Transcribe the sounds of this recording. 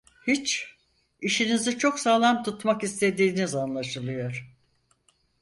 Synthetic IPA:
hit͡ʃ | iʃinizit͡ʃʰo̞ksaːlˠamt̪ʰut̪makist̪ʰe̞d̪iːnizanlˠaʃɯlˠɯjo̞ɾ̥

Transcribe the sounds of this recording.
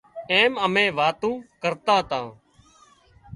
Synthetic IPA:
eːməmẽːʋaːt̪õːkəɾt̪ãːt̪ãː

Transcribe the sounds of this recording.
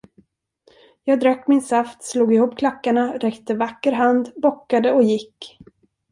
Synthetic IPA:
jɑːɡ̚d̪ɾœkːmɪnsaft̪sluːɡɪhuːpːkʰlakːaɳaɾɛkt̪əvakːəɾɦand̪bɔkːad̪əɔjɪkː

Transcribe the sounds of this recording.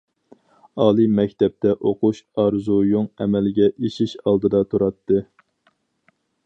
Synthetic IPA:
ɑːlˠɨmɛkʲt̪ɛp̚t̪ʰɛʔoqʰuʃɑɾzujoŋɛmɛlɡʲɛʔiʃiʃɑlˠd̪ɨd̪ɑt̪ʰuɾɑt̪ʰːɨ

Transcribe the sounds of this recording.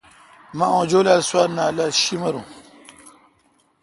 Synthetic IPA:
maõːd͡ʑolalswaɾnalaɕimɐɾṵ̃

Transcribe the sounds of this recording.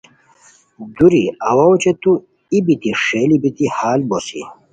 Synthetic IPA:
d̪uɾiɐwawt͡ɕet̪u | ibit̪iʂeːlibit̪ihaːlbosḭ

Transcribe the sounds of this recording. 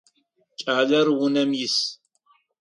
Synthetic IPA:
t͡ʃʼaːlɐɾwunɐmjis

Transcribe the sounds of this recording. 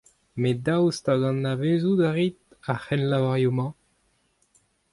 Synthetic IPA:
med̪awst̪aɡɑ̃nːavezud̪aʁit̪ | aχɛnlavaʁjomɑ̃

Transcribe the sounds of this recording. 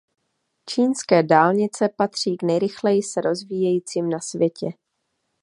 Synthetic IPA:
t͡ʃiːnskɛːdaːlɲɪt͡sɛpat̪r̝̥iːɡnɛjɾɪxlɛjɪsɛɾʔo̞zviːjɛjiːt͡siːmnasvjɛcɛ

